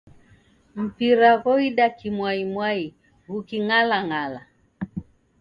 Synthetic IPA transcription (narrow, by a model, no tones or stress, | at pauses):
m̩piɾaɣɔiɗakimwaimwai | ɣukiŋalaŋala